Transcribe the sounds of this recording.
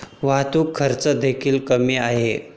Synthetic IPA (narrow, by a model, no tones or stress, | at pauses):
ʋat̪uːkʰːəɾt͡səd̪ekʰiːlkəmiaɦe